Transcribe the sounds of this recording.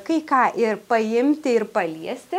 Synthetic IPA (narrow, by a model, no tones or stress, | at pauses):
kɐɪkɑːʔɪɾpɐɪmʲt̪ʲɪɪɾpɐlʲiɛsʲt̪ʲɪ